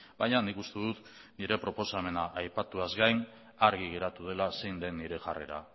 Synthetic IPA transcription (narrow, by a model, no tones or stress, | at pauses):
bajɲanikust̪e̞ðut̪ | niɾe̞pɾo̞po̞same̞naʔajpat̪uazɡajn | aɾɣiɣ̞e̞ɾat̪uð̞e̞lase̞jnd̪e̞nːiɾe̞ʝare̞̰ɾa̰